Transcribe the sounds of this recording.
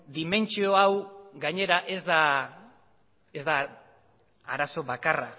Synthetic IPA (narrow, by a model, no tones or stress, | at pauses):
d̪ime̞nt͡ʃioawɡaɲe̞ɾaʔezd̪a | e̞zd̪a | a̰ɾaso̞βakara